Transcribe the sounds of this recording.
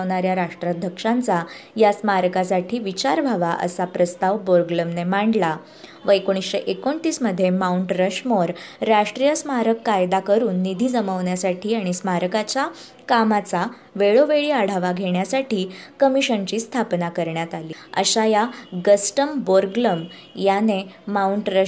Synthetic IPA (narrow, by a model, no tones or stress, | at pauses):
ɳaɾjaɾaʂʈɾad̪ʱəkʂãnt͡sajasmaɾkasaʈʰiːʋit͡ɕaɾbʱaʋaʔə̰sapɾəst̪aʋboɾɡləmnemaɳɖla | ʋəekoɽ̃isɕeʔekoɳt̪iːsməd̪ʱːjemauɳʈɾəɕmoɾːaʂʈɾijəsmaɾəkːajd̪akəɾuːnːid̪ʱid͡zəməʋɳjasaʈʰiːaɽ̃ismaɾkat͡ɕa | kamat͡sa | ʋeɭoʋeɭiːaɽ̤aʋaɡʱeɳjasaʈʰiːkəmiɕənt͡ɕiːst̪ʰapnakəɾɳjat̪aliə̰ɕajaɡəsʈəmboɾɡləm | janemauɳʈɾə